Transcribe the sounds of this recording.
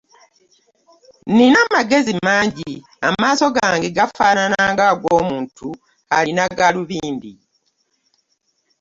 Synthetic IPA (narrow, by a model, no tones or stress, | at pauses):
ninamaɡe̞zimaːɲɟi | amaːso̞ɡaːŋɡeɡafaːnanaːŋɡaɡwo̞ːmuːntʰu | a̰linaɡaluβiːndi